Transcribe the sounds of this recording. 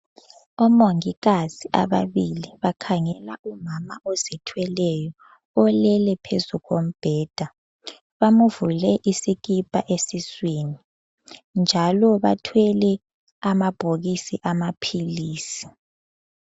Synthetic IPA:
ɔmoŋiɣaz̥iʔa̰βa̰βiliβakʰaŋɛlaʔumamaɔzɛtʰwɛlɛjɔ | ɔlɛlɛpʰezuɣom̩b̥ʱɛːd̥ʱa | βamuvulɛʔisik̬ipʼa̰ʔesisweːni | nd͡ʒʱalɔβa̰tʰwɛlɛ | amab̥ʱoɣisiʔamapʰiliːsi̥

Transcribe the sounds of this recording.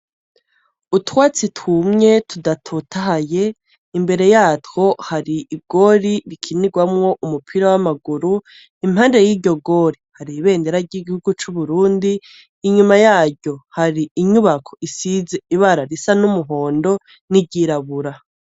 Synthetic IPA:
utwaːt͡situmɲe̞tʰudatʰutʰaɦaje̞ | imbe̞ɾe̞jaːtko̞haɾiʔːɡ̥o̞ɾiɾikʰiniɡwamŋo̞ʔumupʰiɾawamaɡuɾu | im̥haːndejiːɟo̞ɡo̞ɾihaɾiβe̞ːnde̞ɾaɾɟiɡihuɡut͡ʃuβuɾuːndiː | ɲumajaːɾɟo̞haɾiiɲuβakʰo̞̥isize̞iβaɾaɾisanumuɦo̞ːndo̞ | niɟiɾaβuɾa

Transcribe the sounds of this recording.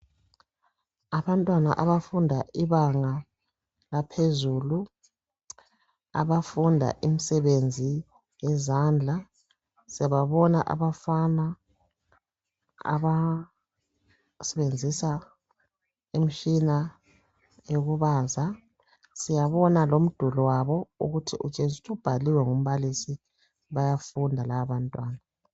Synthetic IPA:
aβantʼwana̰ʔaβafundʱaʔiβaŋa | lapʰezuːlu | a̰βafundʱa̰ʔim̩sɛβend͡zʱi | jɛzand͡ɮʱa | siaβaβɔnaʔa̰βafana | a̰βa | sɛβend͡zʱisa | em̩ʃina | joɣuβaːza | sijaβɔnalom̩d̥ʱulɔwaβɔṵɣutʰiʔut͡ʃʼezutʰʼuub̥ʱaliwɛŋum̩βalisi | βajafundʱalaaβantʼwaːna

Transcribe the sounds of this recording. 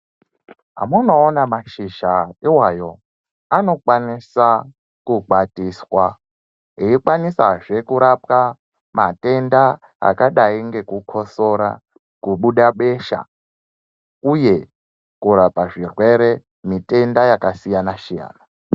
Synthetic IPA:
ɦa̰muno̞ːnamaʃiʒaiwajo̞ | ano̞kwanisa | kuɡʱatiswa | eikwanisaʐe̞kuɾap̚ka | mate̞nda | a̰kaɗaiŋɡe̞kukʰo̞so̞ɾa̰ | kuɓuɗaɓe̞ʃa̰ | uje̞ | kuɾapaʐirwe̞ɾe̞ | mitʼe̞ndajakasijanaʃija̰ːna

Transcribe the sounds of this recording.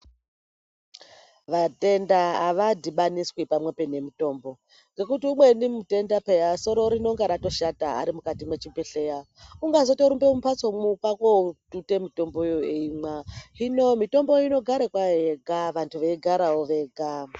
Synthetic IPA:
ʋate̞ndaːʋadʱiɓaniswipamwe̞pene̞mito̞ːmbo̞ | ŋɡe̞kutiumwe̞nimute̞ndapejaso̞ɾo̞ɾino̞ŋɡaɾato̞ʃataa̰ɾimukatimwe̞t͡ʃipeɬe̞ja | uŋɡazo̞toɾumbemupat͡somupakoutute̞mito̞mbo̞joeimwaino̞mito̞mbo̞ino̞ɡʱaɾekwaeɡʱaʋantʰuʋeiɡʱaɾawoʋe̞ɡʱa

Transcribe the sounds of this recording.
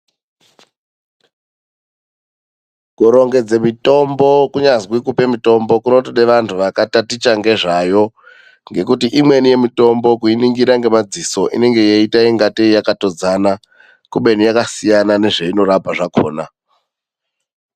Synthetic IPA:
kuɾo̞ŋɡe̞d͡zemito̞mbo̞kuɲazwikupe̞mito̞mbo̞kuno̞toɗeʋantʰuʋakatatit͡ʃaŋɡe̞ʐajo̞ | ŋɡe̞kutiʔimwe̞nije̞mito̞mbo̞kuiniŋɡiɾaŋɡe̞mad͡ziso̞ʔḭne̞ŋɡe̞jeitaiŋɡateijakato̞d͡zana | kuɓe̞nijakasijanane̞ʐeino̞ɾapaʐako̰ːna

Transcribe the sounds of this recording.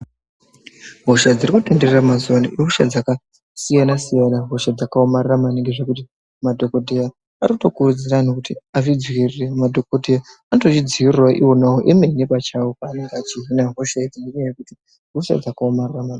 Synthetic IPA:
ɦoʃad͡zirikutendereramazuwanɦoʃa̰d͡zaka | sijanasijanaɦo̞ʃad͡zakaomarramaniŋɡeʐe̞kuti | madʱo̞ko̞dʱeja | aɾikuto̞kurud͡ziranokutiavid͡zwiriremadʱo̞kodʱejaanoto̞t͡ʃid͡ziirwaʔiwo̞nawoʔeme̞nepat͡ʃawopaːne̞ŋɡeat͡ʃiɦinaɦoʃaed͡zineɲaajekuti | ɦoʃa̰d͡zakaomarramana

